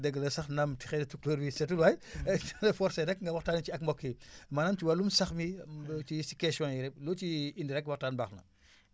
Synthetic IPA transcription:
dɛɡːɐlɐsɐxnɐmtixɛdɐtukloːɾwisɛtulwajlɐfɔɾsɐnɛkŋɡɐwɐxtaːnit͡ʃiɐk̚mbɔkːimanaːmt͡ʃiwalumsɐxmit͡ʃisikasjɔ̃jiɾɛp̚loːt͡ʃiindiɾɛk̚twɐktaːnbaxnɐ̰

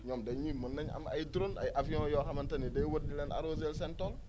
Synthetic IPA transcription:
ɲɔmdɛɲimɐnːɐɲɐ̰mɐ̰jdɾonɐ̰jʔɐfijɔ̃ːjɔːxɐmɐntɐnidɐjwot̚nilɛːna̰ɾoːzels̬ɛntɔl

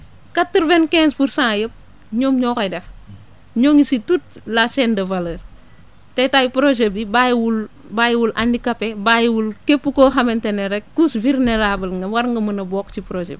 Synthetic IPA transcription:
katːəɾvɛnkɛ̃ːnspuɾsãːjəp̚ | ɲoːmɲɔːkɐdɛf | ɲoːŋisitut̚lat͡ʃɛndɐvɐləɾ | tɛtajipɾoʒebibajwul | bajwulʔandikapebajwulkepːukoːxɐmɛntenɛɾɛk̚kusviɾnɛlabɐlŋɡɐwɐɾŋɡɐmɐnɐbɔːkt͡ʃipɾod͡ʒɛ̰p̚

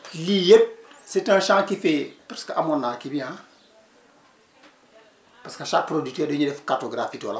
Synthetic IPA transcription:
lijet̚sɛtãʃãːkifɛpaɾskəʔamɔnːalkibiã | paskaʃak̚pɾoditɛːdoɲedɛfkartoɡɾafiːtiwalɐ

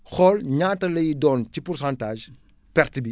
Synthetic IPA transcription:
xɔlɲaːtɐlɐjidɔːncipursãntaːʒ | pɛrtbi

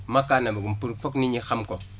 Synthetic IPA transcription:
makanabuɡumpuɾfokniɲixamko

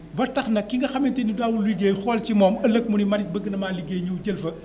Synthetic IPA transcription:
bɐrtɐxnɐkːiŋɡɐxɐmɛntɛnidaːwulːiɡeːjxɔːlcimɔːmɐlɐk̚munimɐdit̚bəɡːənɐmaːliɡeːɲuwɟəlfɐ

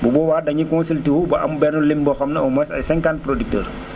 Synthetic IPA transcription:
bubɔwaːdɐɲikɔ̃nsiltiwubɐʔɐ̰mbɛnulimbɔxɐmnɐɔmɔsɐ̰jsɛ̃ŋkant̚pɾodik̚tə̰ːr

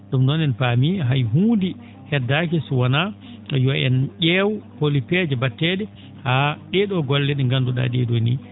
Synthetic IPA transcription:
ɗumnɔnɛnpamiɦajɦuːndi | hɛdːak̬ɛswana | jɔɛnʔɛːwuholipɛd͡ʒɛbatːɛɗɛ | haɗɛɗɔɡɔlːɛɗɛŋɡanduɗa̰ɗɛɗonḭ

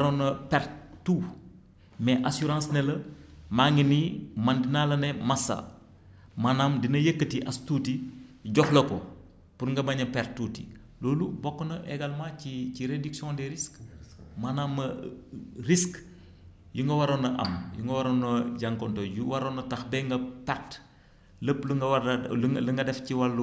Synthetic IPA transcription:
ɾonɐpɛɾtu | mɛʔasuɾãːsnɛlɐmaŋinimɐndinalɐnɛmɐsa̰ | manamdinɐjekːətiʔastuːtiɟɔxlɐkɔ | puɾŋɡɐbɐɲɐpɛɾtːutḭ | loːlubɔkːɔnɐʔɛɡɐlmaciciɾediksiɔ̃ːndɛɾiskmɐnamːɐ | risk | juŋɡɐwɐɾonɐʔɐ̰mjuŋɡɐwɐɾonɐɟɐŋkɔntɔjuwɐɾonɐtɐxbɛŋɡɐpɛɾt | ləpluŋɡɐwlɐŋɡɐdɛfciwɐlː

